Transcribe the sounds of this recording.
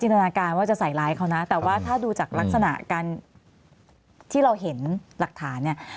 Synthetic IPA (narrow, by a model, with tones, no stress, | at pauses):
t͡ɕi˧nt̪ʰa˧naː˧kaː˧nwaː˥˩t͡ɕa˨˩ʔsa˨˩jlaː˦˥jkʰa˦˥wna˦˥t̪ɛː˨˩waː˥˩t̪ʰaː˥˩duː˧t͡ɕaː˨˩k̚la˦˥k̚sa˧na̰˨˩ʔkaː˧n | t̪ʰiː˥˩ɾa˧wɦe˩˦nla˨˩k̚t̪ʰaː˩˦nːi˥˩ɐ